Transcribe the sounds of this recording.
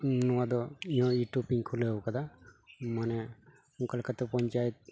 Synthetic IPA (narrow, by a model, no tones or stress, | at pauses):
nɔwad̪ɔijɔ̃iʈupiŋkʰulebkad̪amanɛ | ũkalkat̪ɛpɔɲt͡ʃajt̪̚